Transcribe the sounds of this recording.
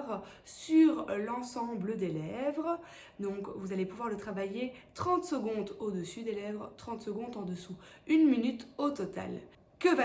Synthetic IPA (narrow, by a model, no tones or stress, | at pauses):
ʁsyʁlɑ̃sɑ̃bləd̪elɛvʁə | d̪ɔ̃kvuzalepuvwaʁlət̪χavajet̪χɑ̃t̪səɡɔ̃d̪od̪əsyd̪elɛvʁt̪χɑ̃t̪səɡɔ̃d̪ɑ̃d̪əsuynminyt̪ot̪ɔt̪a̰l | kəva